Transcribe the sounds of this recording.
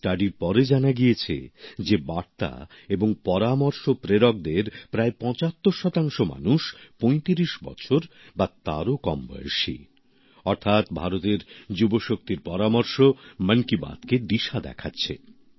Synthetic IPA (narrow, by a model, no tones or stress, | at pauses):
sʈaɖiɾpɔɾed͡ʑanaɡiet͡ɕʰḛd͡ʑebaɾt̪a̰ | eboŋpɔɾamoɾʃopɾeɾɔk̚d̪eɾpɾaepɔ̃t͡ɕat̪ːoɾʃɔt̪aŋʃoma̰nuʃpojt̪iɾiʃbɔ̰t͡ɕʰoɾ | bat̪aɾokɔmbɔ̰jo̰ʃḭ | ɔɾt̪ʰat̪bʱaɾot̪eɾd͡ʑuboʃok̚t̪iɾpɔɾamoɾʃomənkiba̰d̪ked̪iʃad̪ɛ̰kʰatːɕʰḛ